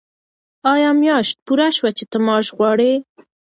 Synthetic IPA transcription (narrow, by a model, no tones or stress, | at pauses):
ɑjɑmjɑʃt̪̚puɾaʃwat͡ʃet̪əmɑʃɣwɑɽe